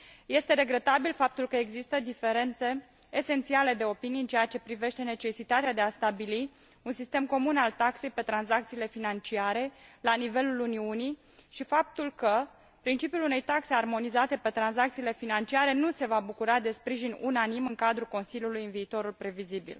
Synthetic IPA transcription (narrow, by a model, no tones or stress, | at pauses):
je̞st̪e̞ɾe̞ɡɾe̞t̪abilfap̚t̪ulkəeɡzist̪əd̪ife̞ɾe̞nt̪se̞ː | se̞nt̪siale̞d̪e̞o̞pinijɨnt͡ʃejat͡ʃe̞pɾive̞ʃt̪e̞ne̞t͡ʃe̞sit̪at̪ead̪east̪abili | unsist̪e̞mko̞munalt̪akse̞jpe̞t̪ɾanzakt̪siːle̞finant͡ʃiaɾe̞lanive̞luluniunij | ʃifap̚t̪ulkə | pɾint͡ʃipjulune̞jt̪akse̞armo̞nizat̪e̞pe̞t̪ɾanzakt̪siːle̞finant͡ʃiaɾe̞nuse̞vabukuɾad̪e̞spɾiʒinunanimɨŋkad̪ɾuko̞nsilʲjulujɨnviːt̪o̞ɾulpɾe̞vizibḭl